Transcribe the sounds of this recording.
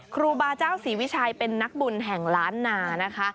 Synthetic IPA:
kʰɾuː˧baː˧t͡ɕaː˥˩wsiː˩˦wi˦˥t͡ɕʰaː˧jpe˧nːa˦˥k̚bu˧nɦɛ˨˩ŋlaː˦˥nːaː˧na˦˥kʰa˦˥ʔ

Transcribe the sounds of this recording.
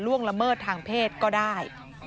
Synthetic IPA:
ɾu˥˩əŋla˧mɤː˥˩t̪ʰːaː˧ŋpʰeː˥˩t̪̚kɔː˥˩daː˥˩j

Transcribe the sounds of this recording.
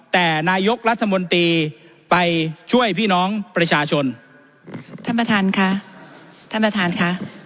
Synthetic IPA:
t̪ɛː˨˩naː˧jo˦˥k̚ɾa˦˥t̪ʰːa˧mo˧nt̪ɾiː˧ | pa˧jt͡ɕʰu˥˩əjpʰiː˥˩nɔː˦˥ŋpɾa˧t͡ɕʰaː˧t͡ɕʰo˧n | t̪ʰa˥˧npɾa˧t̪ʰaː˧nkʰa˦˥ | t̪ʰa˥˧npa˧t̪ʰaː˧nkʰa˦˥ʔ

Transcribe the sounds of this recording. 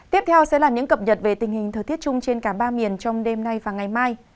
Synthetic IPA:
t̪i˦˥əp̚t̪ʰɛ˧wsɛ̰˧˥laː˨˩ɲɨ̰˧˥ŋkə˨˩p̚ɲə˨˩t̚ve˨˩t̪ï˨˩ŋ̟hï˨˩ŋ̟t̪ʰəː˨˩t̪ʰi˦˥ət̚t͡ɕʊ˧ŋ͡mt͡ɕe˧nkaː˧˩ɓaː˧mi˨˩ənt͡ɕɔ˧wŋ͡mɗe˧mna˧jvaː˨˩ŋa˨˩jmaː˧j

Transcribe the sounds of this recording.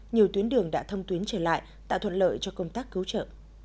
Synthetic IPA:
ɲi˨˩əwt̪wi˨˦ənɗɨ˨˩əŋɗa̰ː˧˥t̪ʰə˧wŋ͡mt̪wi˨˦nt͡ɕəː˧˩la̰ː˧˨j | t̪a̰ː˧˨wt̪ʰwə̰˧˨nlə̰ː˧˨jt͡ɕɔ˧kə˧wŋ͡mt̪aː˦˥k̚ːɨ˨˦wt͡ɕə̰ː˧˨

